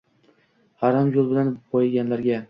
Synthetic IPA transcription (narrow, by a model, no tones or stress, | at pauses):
aɾamjolˠbɪlanqʰojɪɡʲanlaɾɡʲa